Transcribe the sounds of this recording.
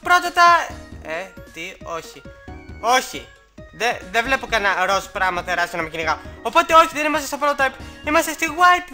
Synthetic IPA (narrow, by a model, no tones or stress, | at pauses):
pɾot̪ɐt̪ɐet̪ioçio̞çi | ðeðevle̞pokɐnɐɾo̞spɾɐmɐt̪ɐɾɐskɐnɐmekiniɣɐo̞po̞t̪e̞o̞çiðenimɐst̪est̪ɐp̬olot̪ejpimɐst̪est̪iɣwajp